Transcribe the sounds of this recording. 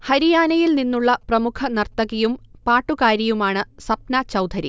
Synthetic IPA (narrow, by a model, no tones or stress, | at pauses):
hɐɾijaːnɐjilninːuɭːɐprɐmukʰɐnɐrt̪ɐɣijumpaːʈːukaːɾjɐjumaːɳɨsɐp̚nɐt͡ɕɐwd̪ʰʱɐɾḭ